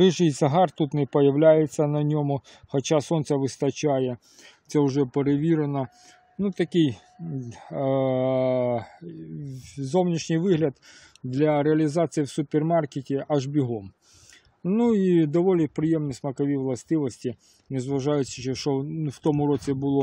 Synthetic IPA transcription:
ɾɪʒɪjzɐɦɑrt̪ut̪nɪpɐjɐʋlʲajɪsʲɐnɐnʲɔmʊ | xɐt͡ʃasɔnt̪sʲɐʋɪst̪ɐt͡ɕajɛ | t̪sɛʊʐɛpeɾeʋʲiɾɪnɐ | nut̪ɐkʲɪj | zownʲiʃnʲɪjʋɪɦlʲɐd̪ | d̪lʲɐɾeɐlʲɪzɑt̪sɨjiwsʊpʲermarkʲɪtʲɪʔɐʐbʲɪɦɔm | nuid̪ɐʋɔlʲnɪpɾɪjɛmnɨsmɐkɐʋʲiʋlˠɐst̪ɪʋɐsʲtʲi | nɪzʋɐʐajʊsʲɐʃɛʃɔnft̪omʊɾɔt͡sʲɪbɨlˠɔ

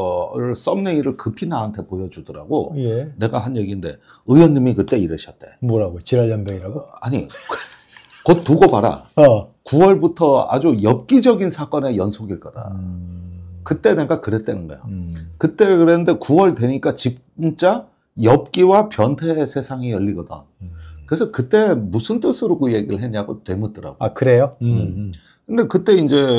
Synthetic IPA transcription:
ɯɭs͈ʌmneiɾɯɭkɯpʰinaɦantʰe̞pojʌd͡ʑudʌɾa̰ɡo̰jjene̞ɡahanjʌɡinde̞̰ | ɯjʌnːimikɯt͈e̞iɾɯɕʰʌt̚t͈e̞̰mʌɾaɡot͡ɕiɾaʎjʌnbaɡiɾaɡoa̰ɲḭ | kott͈ːuɡʌbaɾa̰kuwʌɭbutʰʌa̰d͡ʑujʌp̚k͈id͡ʑʌɡinsʰak͈ʌne̞jʌnsʰoɡiɭk͈ʌd̥a̰ | kɯt͈e̞nek͈akɯɾe̞t͈̚wenɯnɡʌ̰jo̰kɯt͈e̞kɯɾenɯnde̞kuwʌɭdwe̞ɲik͈at͡ɕip̚ | nt͡ɕ͈a | jʌp̚k͈iwapjʌntʰe̞sʰe̞sʰaŋijʌʎːiɡʌda̰ | kɯɾesʰʌkɯt͈e̞musʰɯnt͈ɯsʰɯɾoɡoje̞ɡiɾɯɭɦe̞ɲaɡo̰twe̞mut͈ɯɾa̰ɡokɯɾejo | kɯnde̞kɯt͈e̞ind͡ʑe̞

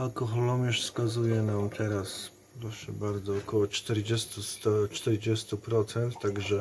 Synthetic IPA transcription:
alkɔxɔlɔmʲjɛʂskazujɛnamt̪ʰɛɾas | pɾɔʂɛbaɾd̪zɔːkɔwɔt͡ʂt̪ɛɾd͡ʑɛst̪ust̪ɔt͡ʂt̪ɛɾd͡ʑɛst̪upɾɔt̪sɛnt̪ːaɡʐɛ

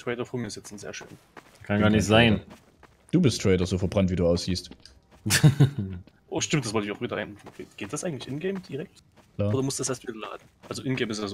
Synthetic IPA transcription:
tʁ̥ɛɪɾɐfoːɐmiːɪstɛt͡sn̩zḛːɐʃø̰ːn | kʰanɡaːɐnɪçz̥aɪn | d̥uːbɪstʁ̥ɛɪɾɐzoːfɛɐbʁantv̥iːduːaʊsz̥iːst | ʔoːʃtɪmtd̥asvɔltɪçaʊxv̥iːdɐʔa̰ɪnman̩ḛːɡ̥eːt̚d̥asʔaɪɡŋ̩tlɪçʔɪnɡɛɪmd̥iːʁɛk̚t | ʔlaːodumʊstd̥asʔeːɐtv̥iːdɐla̰ːdn̩ʔalzoʔɪnɡɛːmɪstjaːzo

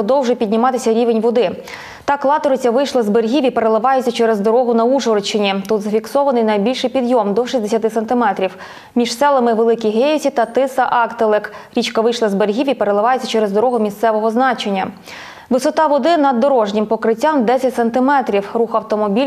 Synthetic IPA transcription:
pɔd̪ɔwʒʊjpʲid̪ʲnʲɪmɑt̪ɪsʲɐɾʲiʋenʲʋɔd̪ɪ | t̪ɑklˠɑt̪ɔɾɪt͡sʲɐʋɪjʃlˠɐzberɦʲiʋʲipeɾelˠɪʋɑjet͡sʲːɐt͡ʃɛɾɛzd̪ɔɾɔɦʊnɐuʒɔrt͡ʃːɪnʲit̪utd̪zɐfʲiksɔʋɐnɪjnɐjbʲilʲʃɪjpʲid̪jɔmd̪ɔʃisʲd̪esʲɐt̪ɪsent̪ɪmɛt̪ɾʲiw | mʲiʃsɛlˠɐmɪʋelˠɪkʲijɦejɔsʲit̪ɐt̪ɪsɐʔɑkt̪elˠɪkɾʲit͡ʃkɐʋɪjʃlˠɐzbeɾʲɦʲiʋʲipeɾelˠɪʋɑjet͡sʲːɐt͡ʃɛɾezd̪ɔɾɔɦʊmʲist̪sɛʋɔɦɔznɑt͡ʃenʲːɐ | ʋɪsɔt̪ɑʋɔd̪ɪnɐd̪ːɔɾɔʒnʲimpɔkɾɪtʲːamd̪ɛsʲɐtʲsent̪ɪmɛt̪ɾʲiwɾuxɐwt̪ɔmɔbʲilʲ

